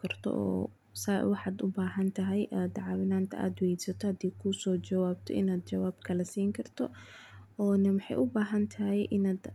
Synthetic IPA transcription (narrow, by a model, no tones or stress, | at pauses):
kʰɐrt̪ʰɔ̰ʔɔ̰ː | sa̰wɑħɑːd̪ʊbaːɦɐnt̪ʰɐɦɛjʔaːd̪ʕɑwɪnaːnt̪ʰɐʔa̰ːd̪wɛj̪sɐt̪ʰɔhɐd̪iːkʰʊsɔːt͡ʃɐwaːbt̪ʰɔ̰ʔɪ̰naːd̪̚t͡ʃɐwaːbkʰɐlɐsiːŋkʰɐrt̪ʰɔ | ɔːnɐmɑħɑ̰jʔʊbaːɦɐnt̪ʰɐɦɛjʔɪnaːd̪